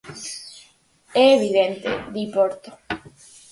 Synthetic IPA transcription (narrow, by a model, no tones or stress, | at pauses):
eeβiðent̪ḛðipoɾt̪o̥